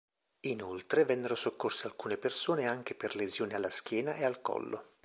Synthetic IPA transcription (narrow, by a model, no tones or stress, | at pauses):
inolt̪ɾevɛnːeɾosokːorsealkuːnepersoːneaŋk̟eperlezjoːnealːask̟ʲjɛːnaʔealkɔ̰lːo̰